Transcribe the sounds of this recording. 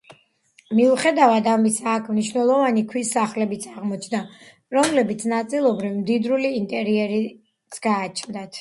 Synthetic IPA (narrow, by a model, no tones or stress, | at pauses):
miuχɛd̪avad̪amisaːkʰmniʃvnɛlˠɔvanikʰwisːaχlɛbit̪sʰaʁmɔt͡ʃʰd̪a | ɾɔmlɛbit̪sʰnat̪sʼilˠɔbɾivmd̪id̪ɾuliːnt̪ʼɛɾiɛɾi | t̪sʰɡ̥aːt͡ʃʰnd̪at̪ʰ